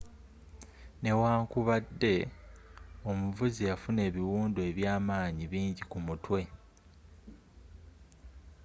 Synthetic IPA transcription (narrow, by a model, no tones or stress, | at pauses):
ne̞waːŋkuβadːe̞ | o̞muvuzijafune̞ːβiwuːndoe̞βjaːmaːɲiβiːɲɟikumutwe̞